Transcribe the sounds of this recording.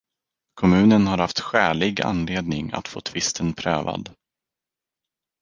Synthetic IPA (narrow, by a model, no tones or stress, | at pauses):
kʰɔmʉ̟ːnənhaɾhaft̪ɧæːɭɪɡa̰nleːd̪nɪŋa̰t̪fo̰ːt̪ʰvɪst̪ʰənpʰɾø̰ːva̰d̪